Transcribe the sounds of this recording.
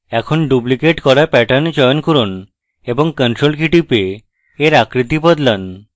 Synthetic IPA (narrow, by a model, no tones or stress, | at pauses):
ɛkʰonɖublikeʈkɔɾapɛʈand͡ʑɔjonkuɾon | eboŋkənʈɾolkiʈipeː | ɾakɾit̪ibɔd̪lan